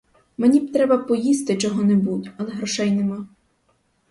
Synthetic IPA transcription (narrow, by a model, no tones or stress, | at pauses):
menʲibt̪ɾɛbɐpɔjist̪ɪt͡ʃɔɦɔnebutʲɐlˠɛɦɾɔʃɛjnemɑ